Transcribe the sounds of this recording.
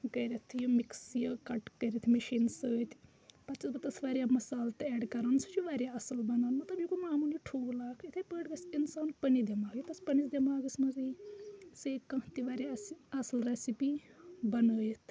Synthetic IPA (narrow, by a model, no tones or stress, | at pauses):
ɡɐɾʲɐt̪ʰjomiksjokɐʈkɐɾʲit̪ʰmiʃiːnsəːt̪ʲ | pɐt͡ʃisbɐt̪ɐsʋaːɾʲjaːmɐsaːlt̪ɛːɖkɐɾɐnsut͡ʃʰjuʋaːɾʲjaɐsɨlbɐnaːnmɐt̪lɐbjukumaːmuliʈʰuːɡlaːkʰit̪ʰepəːɽɡɐsinsaːnpɐnid̪ʲɐmaːɡit̪ɐspɐnisd̪ʲemaːɡismɐziseːkɐ̃t̪iʋaːɾjasiɐslɾesipibɐnəːjit̪ʰ